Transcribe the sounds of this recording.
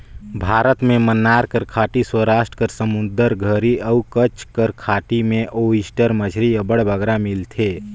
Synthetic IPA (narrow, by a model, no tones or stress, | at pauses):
bʱaːɾət̪mẽmənːaːɾkəɾkʰaːʈiswəɾaːʃʈɾə̥kəɾsəmʊ̃nd̪əɾɡʱəɾiəukət͡ʃkəɾkʰaːʈimẽʔoɪsʈəɾməd͡ʒʱɾiəbəɽbʱəɡɾamɪlt̪ʰeː